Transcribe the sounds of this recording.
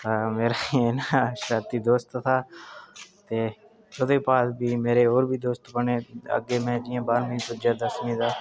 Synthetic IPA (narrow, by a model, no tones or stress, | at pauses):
t̪aːmeːɾanaʃɾaːt̪iːd̪oːst̪t̪ʰaː | t̪eː | ʊd̪eːpaːsbʱiːmeːɾeːoːɾbʱiːd̪oːst̪pəɳeːə̰ɡeːmɛ̃ːd͡ʒɪjãːbaːɾməĩːpʊd͡ʒaːd̪əsmĩːd̪aː